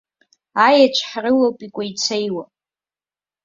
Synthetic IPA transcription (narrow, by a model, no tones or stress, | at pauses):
ajat͡ʃʷʰħrɨwapʼikʷʼait͡sʰejwa